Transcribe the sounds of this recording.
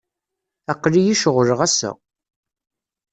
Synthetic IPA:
æqːlijiʃəʁɾəʁæsæ̰

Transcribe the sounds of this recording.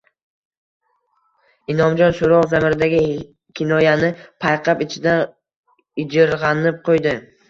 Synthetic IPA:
ɪnɒmd͡ʒɒnʃʊɾɒʁzamɪɾɪd̪aɡʲɪ | kʲʰɪnɒjanɪpʰajqʰɑpɪt͡ʃʰɪd̪a | ɪd͡ʒɪɾʁɑnɪp̚qʰojd̪ɪ

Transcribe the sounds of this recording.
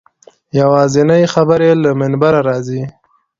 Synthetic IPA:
jawɑzɪnajxabəɾelamɪnbaɾaɾɑzi

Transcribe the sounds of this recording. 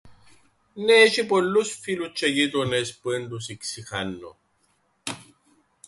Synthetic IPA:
neːʃipolusfilut͡ʃeɡit̪onespwend̪usiksixanːo̰

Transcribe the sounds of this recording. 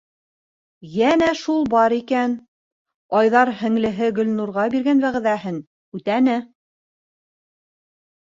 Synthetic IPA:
jænæʃulˠbɑɾikæn | ɑjðɑɾhɘ̆ŋlɘ̆ɦɘɡɵ̆lnuɾʁɑbiɾɡænβæʁɘ̆ðæhɘn | ʉt̪ænɘ

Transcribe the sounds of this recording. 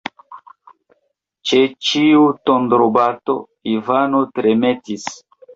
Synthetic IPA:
t͡ʃet͡ʃiutondɾobato̞̰ | ivanotɾeme̞tis

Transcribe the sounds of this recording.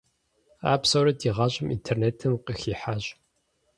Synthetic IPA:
a̰ːpsɐwɾɐdiːʁɑːɕʼɪmʔḭntʰerneːtʰɨmqəxiːħaːɕʼ

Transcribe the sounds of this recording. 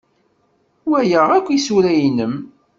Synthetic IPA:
wæjəʁækʷːisuɾæjinəm

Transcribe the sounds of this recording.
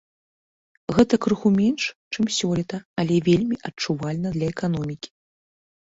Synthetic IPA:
ɣɛt̪ɐkɾɨxumʲɛnʂt͡ʂɨmsʲɔlʲit̪ɐɐlʲɛvʲelʲmʲiʔɐt͡ʂuvalʲnɐd̪lʲɐɛkanɔmʲikʲi̥

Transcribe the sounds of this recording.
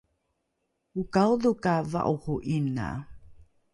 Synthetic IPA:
ukawðukava̰ʔuhuʔina̰

